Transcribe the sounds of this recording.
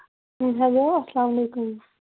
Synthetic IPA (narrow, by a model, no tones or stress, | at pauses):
ɦɛloɐslaːmɐleːkum